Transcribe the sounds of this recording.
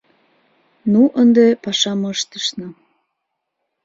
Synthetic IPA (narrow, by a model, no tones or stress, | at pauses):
nuʔənd̪epɑʃɑməʃt̪ə̥ʃnə̆